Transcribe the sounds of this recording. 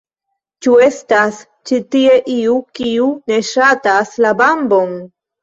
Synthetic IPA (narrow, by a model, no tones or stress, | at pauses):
t͡ʃue̞stas | t͡ʃitie̞ʔiukiune̞ʃataslabambo̞n